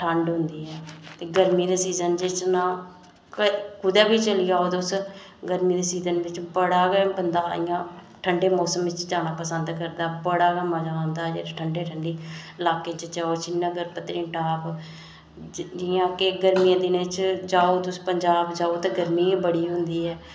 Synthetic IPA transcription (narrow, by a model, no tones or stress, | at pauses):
ʈʰəɳɖɦʊnd̪iːɛːt̪eːɡəɾmiːd̪eːsiːzənd͡ʒɪsnãː | kəkʊd̪ɛːbiːt͡ʃəliːaːoːt̪ʊs | ɡəɾmiːd̪eːsiːzənʋɪt͡ʃbəɽaːɡɛːbənd̪aːɪjãː | ʈʰəɳɖeːmɔːsəmʋɪt͡ʃd͡ʒaːɳ̃aːpəsənd̪kəɾd̪aːbəɽaːɡɛːmãːd͡ʒãːnd̪aːd͡ʒḛːɾaʈʰəɳɖeːʈʰəɳɖiːɪlaːkeːt͡ʃd͡ʒaːoːt͡ʃɪnːãːɡəɾpət̪ːɾĩːʈaːp | d͡ʒɪjãːkeɡəɾmiːãːd̪ɪnẽːt͡ʃd͡ʒaːoːt̪ʊspəɲd͡ʒaːbd͡ʒaːoːt̪ẽːɡəɾmiːbəɽiːɦʊ̃nd̪iːɛː